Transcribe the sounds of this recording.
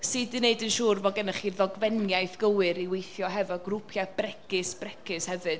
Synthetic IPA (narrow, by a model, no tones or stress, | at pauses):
ssɨːdɨneɨdənʃuːrvɔɡənəχiðɔɡvɛnjajθɡ̥əwɨɾiwejθjɔɦɛvɔɡrupʰjab̥rɛkʰɨsb̥rɛkʰɨshɛvɨd̥